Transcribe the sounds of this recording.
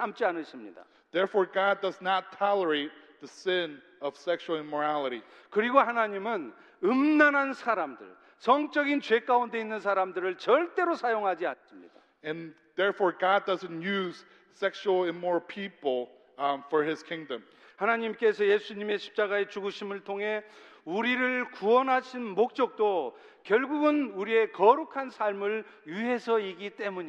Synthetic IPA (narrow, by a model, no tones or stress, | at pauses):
amt͡ɕ͈ianɯɕʰimɲḭda̰ | ðɛɹfɔɹɡɑdʌznətʰɑlˠə˞eɪt̪̚ðɨsɪ̃n | ʌv̥sɛkʃul̩ˠɪ̃nmɔ˞ælˠəɾikɯɾiɡohanaɲimɯn | ɯmnanɦansʰaɾamdɯ̰ɭ | sʰʌŋt͡ɕ͈ʌɡint͡ɕue̞k͈aunde̞inːɯnsʰaɾamdɯɾɯɭt͡ɕʌɭt͈e̞ɾosʰajoŋɦad͡ʑiansimɲḭd̥a̰ | ɨ̃n | ðɛɹfɔɹɡɑd̚dʌzɨ̃ntjʉz̥ | sɛkʃul̩ˠɛ̃nmɔɹpʰipl̩ˠ | fə˞ɪz̥kʰɪ̃ŋdə̃m | hanaɲimk͈e̞sʰʌje̞sʰuɲime̞ɕʰi̥p̚t͡ɕ͈aɡae̞t͡ɕuɡuɕʰimɯɭtʰoŋɦe̞uɾiɾɯɭkuʌnɦaɕʰinmok̚t͡ɕ͈ʌk̚t͈o | kjʌɭɡuɡɯnuɾie̞kʌɾukʰansʰaɭmɯɭ | juiɦe̞sʰʌiɡit͈e̞muɲi